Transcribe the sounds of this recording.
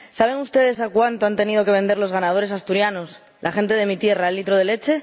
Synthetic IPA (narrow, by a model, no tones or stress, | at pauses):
saβ̞e̞ŋust̪e̞ð̞e̞s̬akwant̪o̞ant̪e̞nið̞o̞ke̞β̞e̞nd̪e̞ɾlo̞zɣanað̞o̞ɾe̞s̬ast̪uɾjanos | lʔaxe̞nt̪e̞ðe̞mit̪je̞raelːit̪ɾoð̞e̞le̞t͡ʃe̞